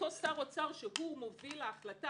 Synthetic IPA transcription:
osaʁot͡saʁʃeɦumovilaːχlata

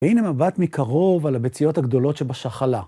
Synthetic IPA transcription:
inemabat̪mikʰaʁo̞valabet͡sijo̞taɡd̪o̞lo̞tʃebaʃaχala

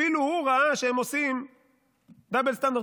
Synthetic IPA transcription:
iluhuʁaaʃeemosim | d̪abelst̪and̪

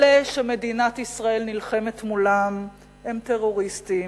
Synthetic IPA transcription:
leʃemedinat̪isʁae̞lnilχe̞me̞t̪mulam | emt̪e̞ʁo̞ʁist̪i

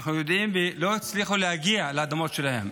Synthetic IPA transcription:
χnujod̪ʔimbeloit͡sliχulehaɡialaad̪amot̪ʃelahḛm

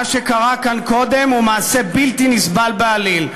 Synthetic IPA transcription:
ʃe̞kaʁakanko̞d̪e̞mumaːse̞bilt̪inisbalbealil

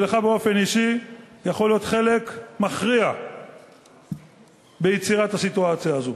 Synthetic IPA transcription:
leχabeo̞fe̞niʃijaχoljo̞t̪χe̞le̞kmaχʁia | be̞jet͡siʁathasituat͡sjaːzo

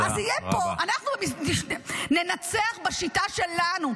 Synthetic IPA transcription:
ʔazijɛpo̞ʔanaχnuminiʃne̞nat͡seaχbaʃitaʃe̞lanu

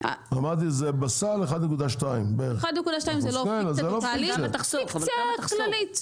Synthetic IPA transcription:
a̰amat̪̬izebasaleχad̪nekud̪aʃt̪aimbeeʁχad̪nekud̪aʃtajimzzelokenazeloaliet̪aχsikaklalit

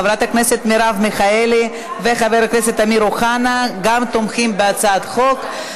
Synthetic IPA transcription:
vɾat̪akneset̪miɾavmiχaeli | veχaveɾakneset̪amiɾuχanaɡamt̪omχimbeat͡saad̪χo̞k

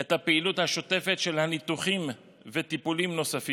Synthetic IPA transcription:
ethapeiluthaʃo̞te̞fe̞tʃe̞lhanit̪uχim | ve̞t̪ipulimno̞safi

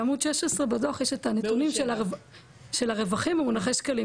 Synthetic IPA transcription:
amudʃeʃesʁebadoaχjeʃetanet̪unimʃela | ʃe̞laʁe̞vaχimumunaχeʃkali

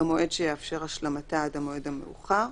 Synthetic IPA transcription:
amo̞e̞dʃejeafʃe̞ʁaʃlamataadamo̞e̞dameṵχaʁ

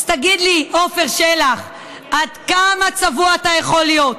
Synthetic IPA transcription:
t̪aɡid̪liʔo̞fe̞ʁʃelaχ | ʔad̪kamat͡savuaːt̪ajeχo̞ljot̪

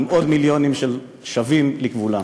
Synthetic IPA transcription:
mʔod̪miljo̞nimʃel | ʃavimlikvula

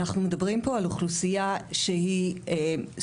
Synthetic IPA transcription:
naχnumedɐbʁimpo̞aluχlusijaʃehie

